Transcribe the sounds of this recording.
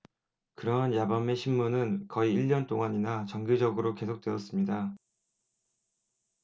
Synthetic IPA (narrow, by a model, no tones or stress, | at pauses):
kɯɾʌɦanjabame̞ɕʰinmunɯnkʌiiʎːʌnt͈oŋaɲinat͡ɕʌŋɡid͡ʑʌɡɯɾoke̞sʰok̚t͈we̞ʌs͈ɯmɲida